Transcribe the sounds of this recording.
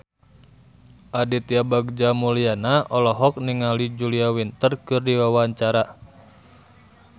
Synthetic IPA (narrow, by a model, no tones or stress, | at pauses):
ʔadit̪iabaɡ̚d͡ʒamulianaɔlɔɦɔk̚niŋalid͡ʒuliawint̪ərkɨrdiwawaɲt͡ʃaɾa